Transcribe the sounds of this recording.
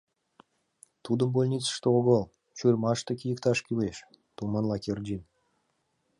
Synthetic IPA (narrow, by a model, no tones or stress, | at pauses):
t̪ʰud̪əmbolʲnʲit̪t͡sə̥ʃt̪əoɡolˠ | t͡ʃurʲmɑʃt̪ə̆kʲʰijəkt̪ʰɑʃkʲyweʃ | t̪umɑnlˠɑkʲerʲdʲin